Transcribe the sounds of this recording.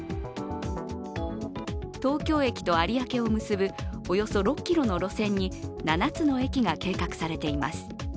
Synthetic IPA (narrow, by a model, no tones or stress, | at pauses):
t̪o̞ːkʲo̞ːe̞kʲi̥t̪o̞aɾʲiake̞o̞mɯ̟sɨbɯ̟o̞jo̞so̞ɾo̞kʲːiɾo̞no̞ɾo̞sẽ̞ɲ̟ːinanat͡sɨno̞e̞kʲiɡake̞ːkakɯ̟̥saɾe̞t̪e̞ima̰sɨ̥